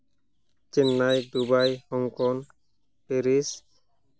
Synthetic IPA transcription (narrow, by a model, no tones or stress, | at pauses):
t͡ʃinːajd̪ubajhɔŋkɔn | peɾis